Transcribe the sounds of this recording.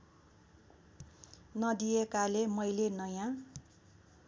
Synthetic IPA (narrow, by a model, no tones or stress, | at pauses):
nʌd̪ijekalemʌjlenʌjã